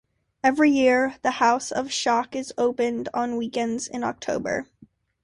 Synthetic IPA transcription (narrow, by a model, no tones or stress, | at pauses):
ɛvɹijɪɹðɨhaʊsʌv̥ʃɑkɨzoʊpɨ̃ndn̩wikɛ̃ndz̥ɪ̰̃nɑ̰k̚tʰoʊbə̰˞